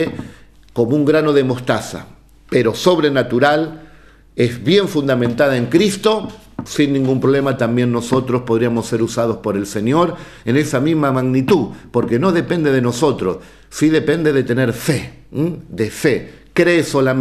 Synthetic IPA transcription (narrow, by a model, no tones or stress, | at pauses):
e | ko̞mouŋɡɾano̞ðe̞mo̞st̪asa̰ | pe̞ɾo̞so̞βɾe̞nat̪uɾal | e̞zβje̞ɱfund̪amẽ̞nt̪að̞aeŋkɾist̪o̞ | sinːĩŋɡumpɾoβlemat̪ambje̞nːo̞so̞t̪ɾospo̞ð̞ɾiamo̞sːe̞ɾusað̞o̞spo̞ɾe̞lse̞ɲo̞ɾ | e̞ne̞samizmamaɣnit̪uðpo̞ɾke̞no̞ðe̞pe̞nd̪e̞ðe̞no̞so̞t̪ɾo̞s | siðe̞pe̞nd̪eðe̞t̪e̞ne̞ɾfe | d̪e̞fe̞ | kɾeːso̞la